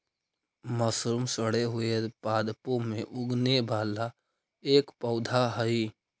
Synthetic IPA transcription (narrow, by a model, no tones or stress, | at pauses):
məsɾʊmsəɽeɦʊepaːd̪põmẽʔʊɡnebʱaːla | eːkpəʊd̪ʱaɦəi